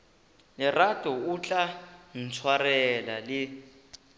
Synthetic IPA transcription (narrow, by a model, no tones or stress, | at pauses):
lɪratɔut͡ɬʼan̩t͡sʰwarɛlalɪ